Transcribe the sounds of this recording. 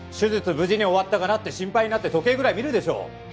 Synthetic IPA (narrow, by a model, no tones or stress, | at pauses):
ɕɨzɨt͡sɨbɯd͡ʑiɲ̟io̞βat̪ːaɡanat̪ːe̞ɕĩmpaiɲ̟inat̪ːet̪o̞ke̞ːɡɯ̟ɾaimʲiɾɯ̟d̪e̞ɕo̞̰ː